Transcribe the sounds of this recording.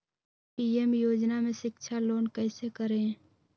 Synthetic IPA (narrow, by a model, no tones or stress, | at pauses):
piːemjoːd͡ʒnamẽʃɪkʃʰaloːnkɛːsekəɾẽ